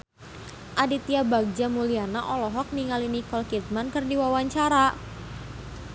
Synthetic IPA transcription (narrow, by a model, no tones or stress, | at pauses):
ʔadit̪iabaɡ̚d͡ʒamulianaʔɔlɔɦɔk̚niŋalinikɔlkit̪̚mankɨrdiwawaɲt͡ʃaɾa